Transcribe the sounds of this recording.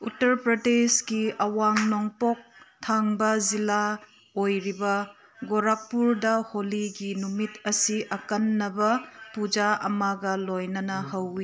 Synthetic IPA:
utɐɾpɾɐdesɡiɐwaŋnoŋpok̚tʰaŋbɐzila | ojɾibɐ | ɡoɾak̚pːuɾdɐholiɡinumitɐsiʔɐkɐnːɐbɐpud͡ʒaʔɐmaɡɐlojnɐnɐhɐwi

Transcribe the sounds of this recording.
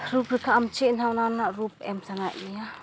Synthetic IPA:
ɾupɾɯkʰaamt͡ʃenhawnawnaɾup̚ɛmsanaʔnija

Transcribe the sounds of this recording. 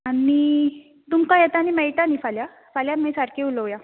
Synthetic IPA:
ani | t̪umkajet̪aːñimɛjʈanifalja | faljamẽsaɾkeuləʋja

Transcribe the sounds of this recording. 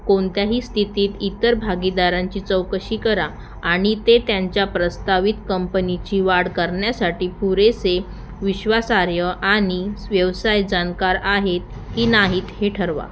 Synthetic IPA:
koɳt̪jaɦiːst̪ʰit̪iːt̪it̪əɾbʱaɡid̪aɾaɲt͡ɕiːt͡səwkəɕiːkəɾaː | ɽ̃it̪et̪jaɲt͡ɕjapɾəst̪aʋit̪kəmpənit͡ɕiːʋaɽkəɾɳjasaʈiːpuɾese | ʋiɕʋasaɾjəʔaɽ̃iʋjəʋsajd͡ʑankaɾaɦet̪ | kiːnaɦiːt̪heʈʰəɾʋa̰

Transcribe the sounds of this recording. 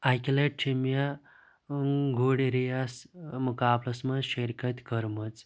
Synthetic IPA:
ajkileʈ̚ʈʰemja | ɡʱoɽeɾijasmukaːblɐsmɐʃeɾkɐt̪ʲkəɾmɐt͡s

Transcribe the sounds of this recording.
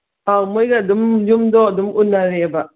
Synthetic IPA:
aŋmujɡadumd͡ʒumdɔdumʔunaɾeba

